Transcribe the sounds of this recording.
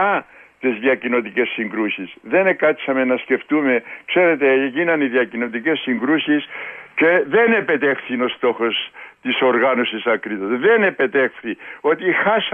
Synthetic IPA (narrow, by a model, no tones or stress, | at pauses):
ɐt̪izðiɐcino̞t̪ice̞sːiŋɡɾusisðe̞nekɐt̪sɐme̞nɐsce̞ft̪ume̞kse̞ɾe̞t̪e̞cinɐniðiɐcino̞t̪̬ice̞sːiŋɡɾusisce̞ðe̞ne̞pe̞t̪e̞xθino̞st̪o̞xo̞st̪iso̞ɾɣɐno̞sisɐkɾit̪ozðe̞ne̞pe̞t̪e̞xθio̞t̪ixɐs